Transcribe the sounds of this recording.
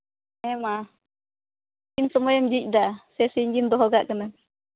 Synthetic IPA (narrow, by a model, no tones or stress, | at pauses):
ɛma | d͡ʒinsɔmɔjɔmd͡ʒic̚ˀd̪asɛsiɲɡind̪ɔɦɔɡaʔkənam